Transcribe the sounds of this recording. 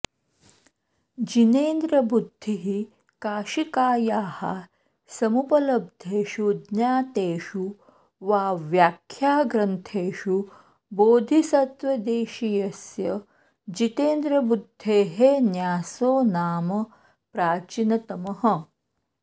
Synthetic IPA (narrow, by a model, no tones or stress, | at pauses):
d͡ʒineːnd̪ɾɐbud̪ʱːiɦi | kaːʃikaːjaːha̰ | sɐmupɐlɐb̚d̪ʱeːʃud̪njaːt̪eːʃu | ʋaːʋjaːkʰːjaːɡɾɐnt̪ʰeːʃu | boːd̪ʱisɐt̪ʋɐd̪eːʃijɐsjɐ | d͡ʒit̪eːnd̪ɾɐbud̪ʱːeːɦenjaːsoːnaːmɐ | pɾaːt͡ʃinɐt̪ɐmɐɦɐ